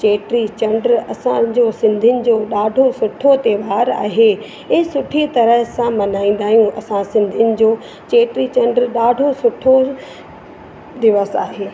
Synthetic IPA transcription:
t͡ɕeːʈɾit͡ɕɐ̃ɳɖɾɐsãd͡ʑoːsɪ̃nd̪ʱiɪnɪ̆d͡ʑoːɗaːɖʱosʊʈʰot̪eːʋaːɾa̰ːɦeː | ɪsʊʈʰit̪ɐɾəɦsãmɐnaːĩːn̆d̪aːɦijũʔɐsãsɪ̃nd̪ʱijʊnɪ̆d͡ʑoː | t͡ɕeːʈɾit͡ɕɐ̃ɳɖɾɗaːɖʱosʊʈʰo | d̪ɪʋəsa̰ːɦeː

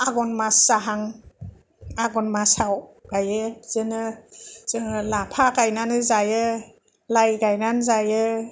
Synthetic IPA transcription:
aɡɔnmasaɦaŋ | aɡɔnmasawɡ̥ajɯz̥ɯnɯz̥ɯŋɯlapʰaɡajnanɯzajɯ | lajɡajnanzajɯ

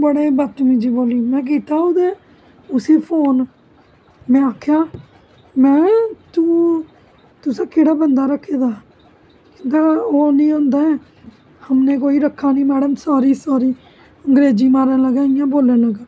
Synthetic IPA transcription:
bəɽaːiːbət̪mĩːd͡ʒiːboːliːmɛ̃ːk̬iːt̪aːod̪eː | ʊsiːpʰoːn | mɛ̃ːaːkʰjaː | mɛ̃ːt̪ũː | t̪ʊsãːkeɽaːbənd̪aːɾəkʰːeːd̪aː | kɪnɡ̪aːoːnĩːãːnd̪aːɛː | həmnẽːk̬oːiːɾəkʰːaːnĩːmɛːɽəmsaːɾiːsaːɾiː | əŋɡɾeːd͡ʒiːmaːɾə̃nləɡaːijãːboːlənləɡaː

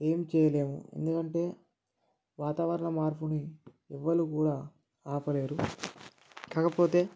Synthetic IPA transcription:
e̞ːmt͡ʃɛːjɐle̞ːmṵe̞̰nd̪ukɐɳʈe̞ː | ʋaːt̪aːʋɐɾɐɳɐmaːɾpuni | ɛʋːɐlukuːɽaː | aːpɐle̞ːɾu | kaːkɐpo̞ːt̪e̞ː

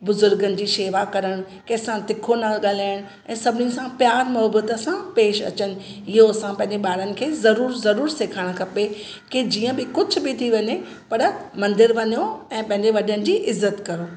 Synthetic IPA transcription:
bʊzʊɾɡənɪ̆d͡ʑiːʃeːʋakɐɾəɽ̃ | kɐ̃ɦɪsãt̪ɪkʰonaːlɠaːlaːɪəɽ̃ | ɛ̃ːsɐbʱɪnɪsãpjaːɾmɔːbət̪əsãpeːʃɐ̰t͡ɕənɪ̆ | ɪɦosãpɐ̃ɦɪ̃ɲd͡ʑeɓaːɾənɪ̆kʰeːzɐɾuːɾzɐɾuːɾseːkʰaːɽ̃kʰɐpe | ked͡ʑiːə̃bɪkʊd͡ʑʱʊ̆bɪt̪ʰiʋɐɲe | pɐɾmɐ̃nd̪ɪɾʋɐɲoɛ̃ːpɐ̃ɦɪ̃ɲd͡ʑeʋɐɗənɪ̆d͡ʑiːʔɪzːət̪kɐɾoː

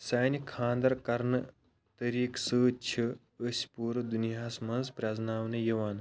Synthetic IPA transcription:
saːnʲikʰãːnd̪ɐɾkɐɾnɨ | t̪əɾiːksəːt͡ʃʰi | əsʲpuːɾd̪unijaːsmɐnzpɾʲaːznaːʋnɨjɐʋaːn

